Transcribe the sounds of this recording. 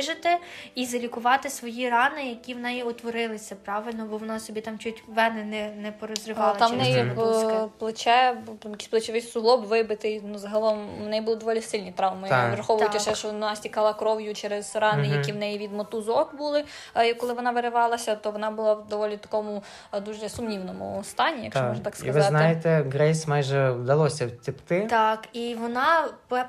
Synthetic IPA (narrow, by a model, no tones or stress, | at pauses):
ʒɪt̪ɪizɐlʲikʊʋɑt̪ɪsʋɔjirɑnɪjɐkʲiwnɛjiɔt̪ʋɔɾɪlˠɪsʲɐpɾɑʋɪlʲnɔbɔʋɔnɑsɔbʲit̪ɑmt͡ʃutʲʋɛnɛnɛnɛpɔɾɔzrɪʋɑlˠɐt̪ɑʋnɛji | plˠɪt͡ʃɛmjɐkʲi̥sʲplˠet͡ʃɪʋɪsʲsʊɦlˠɔbʋɪbɪt̪ɪnuzɐɦɐlˠɔmːnɛjibulˠɪd̪ɔʋɔlʲisɪlʲnʲit̪ɾɑʋmɪjɾɐxɔʋʊjʊtʲɐʃɛʃɔnɑsʲtʲikɑlˠɐkɾɔwjʊt͡ʃɛɾɛzɾɑnɪjɐkʲiwnɛjiʋʲid̪mɔt̪uzɔkbulˠɪ | jkːɔlˠɪʋɔnɑʋeɾɪʋɑlˠɐsʲɐt̪ɔʋɔnɑbʊlˠɑwd̪ɔʋɔlʲit̪ɐ̥kɔmʊ | d̪uʒɛsʊmnʲiwnɔmʊ̰st̪ɑnʲijɐ̰kt͡ʃɔɔʒnɐt̪ɑkskiɐʋɪɑzt̪nɑɪjet̪ɛɡɾɛjsʲmɑjʒɛwd̪ɐlˠɔsʲɐwtʲɪpt̪ɪt̪ɑkiʋɔnɑ